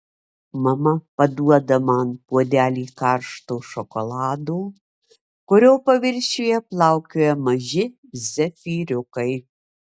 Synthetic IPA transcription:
mɐmɐpɐd̪uɔd̪ɐmɑːnpuɔd̪ʲæːlʲiːkɑɾʃt̪oːʃɔkɔlˠɑːd̪oː | kʊɾʲoːwpɐʋʲɪɾʲʃʲeːjɛplˠɑwkʲoːjɛmɐʒɪ | zʲɛfʲiːɾʲʊkɐɪ

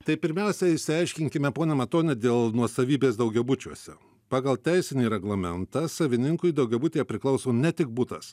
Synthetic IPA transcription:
t̪ɐɪpʲɪɾʲmʲɛʊsʲɛɪsʲɪɐɪʃʲkʲɪŋʲkʲɪmʲɛpoːnʲɛmɐt̪oːnʲɛd̪ʲeːlˠnuɔsɐʋʲiːbʲeːsd̪ɐʊɡʲɛbʊt͡ʃʲuɔsʲɛ̰ | pɑːɡɐlˠt̪ʲɛɪsʲɪnʲiːɾʲɛɡlˠɐmʲɛnt̪ɑːsɐʋʲɪnʲɪŋkʊɪd̪ɒʊɡʲɛbʊːt̪ʲeːjɛpʲɾʲɪklˠɐʊsoːnʲɛt̪ʲɪk̚buːt̪ɐ̰s

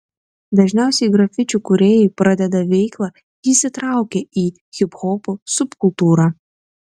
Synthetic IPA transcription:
d̪ɐʒʲnʲɛˑʊsʲɛɪɡɾɐfʲɪt͡ʃʲukʊɾʲeːjʊpɾɐd̪ʲɛd̪ɐʋʲɛɪklˠɑ | jisʲɪt̪ɾɑˑʊkʲeiː | xʲɪpxɔːpusʊpkʊlˠt̪uːɾɑ

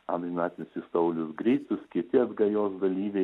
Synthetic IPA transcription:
ɐ̰mʲɪmʲæːt̪ʲɪnʲʊsɪst̪ɐʊlʲʊsɡɾʲɛɪt̪ʊskʲɪt̪ʲɪɐd̪ɡɐjoːsɡɐlʲiːʋʲɛɪ

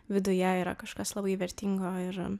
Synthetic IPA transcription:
ʋʲɪd̪ʊjɛiːɾɐ̰kɐʃkɐslˠɐbɐɪʋʲɛɾʲt̪ʲɪŋɡoːɪɾ

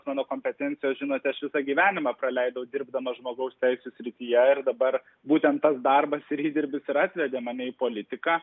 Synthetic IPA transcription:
smɑːnoːkoːmʲpʲɛt̪ʲɛnʲtsʲɪjoːsʒʲɪnoːt̪ʲɪɐʃʋʲɪsɑɡʲiːʋʲæːnʲɪmɑːpɾɐlʲɛɪd̪ɐʊd̪ʲɪrbd̪ɐmɐʒmoːɡɐʊsʲt̪ʲɛɪsʲusʲɾʲɪt̪ʲiːjɛɪrd̪ɐbɐr | buːt̪ʲɛnt̪tɐsd̪ɐrbɐsɪɾiːd̪ʲɪɾʲbʲɪsɪɾɑːt̪ʲʋʲɛd̪ʲeːmɑnʲɛiːpoːlʲɪt̪ʲɪkɑː

